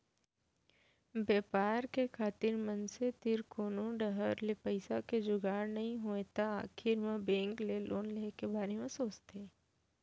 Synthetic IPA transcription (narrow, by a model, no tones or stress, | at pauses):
beːpaːɾkekʰaːt̪ɪɾmənset̪ɪɾkoːnõɖəɦəɾlepəɪsaked͡ʒʊɡaːɾnɐɦĩɦoːet̪aaːkʰɪɾmãbẽːŋklelʔoːnleːkebaːɾemẽsoːt͡ʃt̪eː